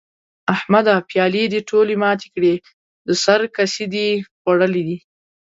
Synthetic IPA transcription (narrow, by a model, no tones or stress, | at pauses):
ahmad̪apjɑlid̪əʈʰolemɑt̪e̥kɽe | d̪əsaɾkasid̪iɣwaɽəlid̪i